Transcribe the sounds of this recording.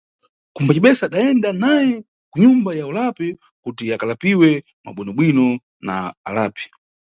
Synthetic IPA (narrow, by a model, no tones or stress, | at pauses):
kumbat͡ʃiɓɛsaːɗaɛndanajɛ | kuɲumbajaulapɛ | kutiakalapiwɛ | ma̰ɓɛnɔɓwinɔ | na̰ːlaːpi̥